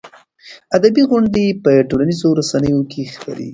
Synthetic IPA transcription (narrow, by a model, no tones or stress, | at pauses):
ad̪abiɣʊɳɖepəʈolanizoɾasanəjokʰexpa̰ɾḭ